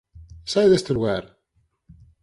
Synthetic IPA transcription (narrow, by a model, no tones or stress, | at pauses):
saðæst̪əwæɾ